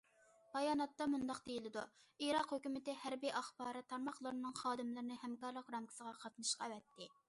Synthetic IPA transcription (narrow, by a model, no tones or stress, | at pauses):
b̥ɑjɑːnɑt̪ːɑmund̪ɑqd̪ejilɪd̪uiɾɑqhøkʲymɪt̪ɪhæɾbiʔɑχbɑːɾɨt̪ʰːɑɾmɑχlˠɨɾnɨŋχɑːd̪ɨmlˠɨɾɪnɨhɛmkɑɾlˠəqɾɑmkʰʲi̥səʁɑqʰɑt̪nɨʃqɑɛvɛt̪ʰːɪ